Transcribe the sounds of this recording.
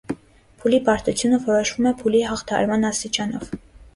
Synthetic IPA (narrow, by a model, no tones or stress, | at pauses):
pʰulipɑɾt̪ut͡sʰjunəvɔɾɔʃvumɛpʰuliɦɑχt̪ʰɑhɑ̰ɾmɑnɑst̪it͡ʃɑnɔv